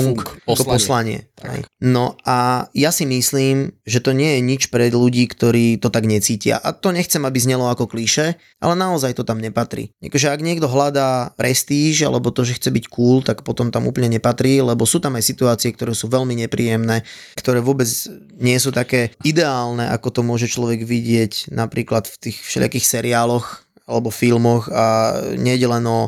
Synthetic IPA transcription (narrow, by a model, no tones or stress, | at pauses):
kɔpɔslaɲɪɛ̰ɛ̰jnɔajasimisliːmʒɛt̪ɔɲɪɛjɛɲit͡ʃpɾɛd̪luɟiːkt̪ɔɾiːt̪ɔt̪aɡɲɛt͡siːcɪa̰ʔat̪ɔɲɛxt͡sɛmabizɲɛlɔakɔkliʃɛ | ʔa̰lɛnaɔzajt̪ɔt̪amɲɛpat̪ɾḭa̰kɔʒɛaɡɲɪɛɡd̪ɔɦlad̪aːpɾʔɛst̪iːʒa̰lɛbɔt̪ɔʒɛxt͡sɛbickuːlt̪akpɔt̪ɔmt̪amṵpl̩ɲɛɲɛpat̪ɾiːlɛbɔsuːt̪amajsit̪uaːt͡siɛk̚t̪ɔɾɛːsuːʋɛlmiɲɛpɾiːjɛmnɛːkt̪ɔɾɛːʋʊɔbɛd͡z | ɲɪɛsuːt̪akɛːid̪ɛaːlnɛʔa̰kɔt̪ɔmʊɔʒɛt͡ʃlɔʋɛɡʋiɟɪɛcnapɾiːklat̪ft̪iːxfʃɛ̰ʎɪa̰kiːxsɛɾiaːlɔx | alɛbɔfilmɔxaɲɛɟɛlɛnɔ